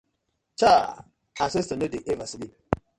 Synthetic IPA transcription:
t͡ʃa | ases̬tənədiʔevasili

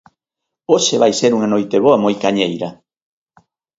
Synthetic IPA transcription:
oʃeβajseɾuŋanojt̪eβ̞oɐmojkaɲejɾɐ

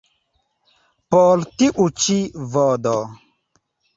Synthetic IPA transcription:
pɔltiʔut͡ʃivɔdɔ

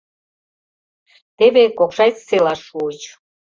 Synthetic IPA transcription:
t̪eβekokʃɑjt͡sselɑʃuət͡ɕ

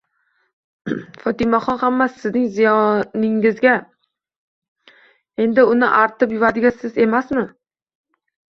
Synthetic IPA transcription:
fɒt̪ɪmaχɒnhamːasɪznɪŋzɪjɒnɪŋɪzɡʲa | e̞nd̪ɪʊnɪʔaɾt̪ʰɪpjʊvad̪ɪɡʲasɪze̞masmɪ

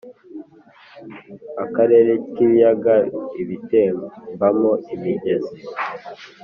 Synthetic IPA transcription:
akaɾe̞ːɾekijaɡaiβiteːmbambamoimiɟeze

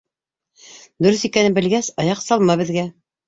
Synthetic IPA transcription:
d̪ɵ̆ɾɵθikænɘbɘ̆lɡæsɑjɑqsɑlˠmɑβɘ̆ðɡæ

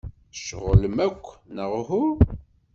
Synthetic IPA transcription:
ʃʁələmækʷːnəʁhu

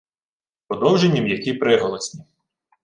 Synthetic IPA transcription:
pɔd̪ɔwʒenʲːɐmjɐkʲipɾɪɦɔlˠɔsʲnʲi

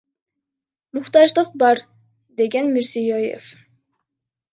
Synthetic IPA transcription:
muχt̪ɑʒd̪ˠɯq̚bɑɾ | d̪eɡʲænmyɾsijojḛf

